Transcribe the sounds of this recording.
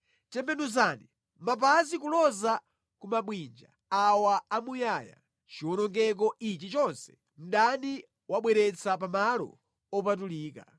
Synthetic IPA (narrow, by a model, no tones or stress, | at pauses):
tɛmbɛnuzani | map̬azikulɔza | kumaɓwind͡ʒa̰ | awaːmujaːja̰ | t͡ʃiwɔnɔŋɡɛk̬ɔʔit͡ʃit͡ʃɔnsɛ̥ | m̩ɗandi | waɓwɛɾɛt͡sapamalɔ̰ | ɔpat̬uliːka̰